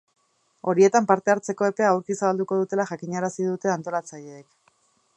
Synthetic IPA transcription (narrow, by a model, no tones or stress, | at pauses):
o̞ɾie̞t̪ampaɾt̪e̞aɾt͡se̞ko̞e̞pe̞aawɾkisaβald̪uko̞ð̞ut̪e̞laʝakiɲaɾasiðut̪e̞ant̪o̞lat͡saʎe̞ːk